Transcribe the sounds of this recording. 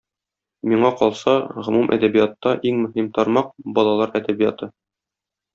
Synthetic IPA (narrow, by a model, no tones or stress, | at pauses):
miɴɑqɒlˠsɑʁŏmumʔæ̰d̪æbijɑt̪ːɑʔiŋmɵ̆ɦimt̪ɒɾmɑq̚bɒlˠɑlˠɑɾæd̪æbijɑt̪ɤ